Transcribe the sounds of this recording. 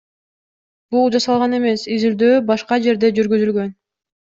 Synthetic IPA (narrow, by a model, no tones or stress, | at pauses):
b̥ulˠd͡ʒɑsɑlˠʁɑne̞me̞sizild̪øːbɑʃqɑd͡ʒe̞ɾd̪e̞d͡ʒyɾɡyzylɡø̞n